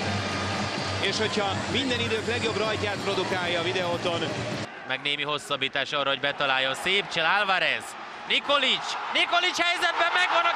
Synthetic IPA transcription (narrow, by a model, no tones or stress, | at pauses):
eːʃho̞cʰhɒmind̪ɛnid̪øːklɛɡjo̞brɒjcaːt̪̚pɾo̞d̪ukaːjɒːvid̪ɛot̪o̞n | mɛɡneːmiɦo̞sːɒbːiːt̪aːʃɒːrɒɦo̞ɟbɛt̪ɒlaːjːonseːpt͡ʃɛlalvaɾɛz | niko̞lit͡ʃniko̞lit͡ʃhɛjzɛd̪̚bɛmːɛɡʋɒnɒ